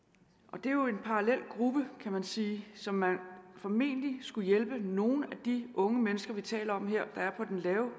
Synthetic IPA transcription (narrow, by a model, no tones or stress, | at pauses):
ʔɒ̽d̥e̝jo̝e̝npʰɑ̈ʁɑlel̰ɡ̥ʁub̥əkʰæmænsiːsɒ̽mːænfɒ̽me̝̰ːnlisɡ̥ujelb̥əno̝ːn̩æd̥iʔɔ̽ŋəmenəsɡ̥ɐʋit͡sʰɛ̰ːlɐɒ̽mɦe̝ɐ̰d̥ɑ̈æɐpʰɒ̽d̥enlɛːʊ